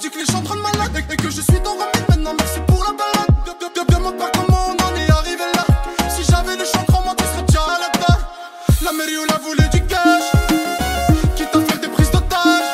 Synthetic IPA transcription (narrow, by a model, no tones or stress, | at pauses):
d̪ikleʃɑ̃t̪χɔ̃d̪malad̪ekəʒəsɥit̪ɔ̃ʁamɛd̪mɛ̃t̪̚nɑ̃mɛsipuʁlabalad̪̚ɛbɛb̪ɔp̪ɛ̃mɔ̃paʁk̪ɔmɔ̃nɑ̃nɛaʁivelasiʒavɛləʃɑ̃t̪χɔ̃mwat̪isɔ̃t̪jɛ̃alat̪a | lameʁiulavuled̪ykaʁ | kʲit̪afɛʁd̪epχizd̪ɔt̪aʁ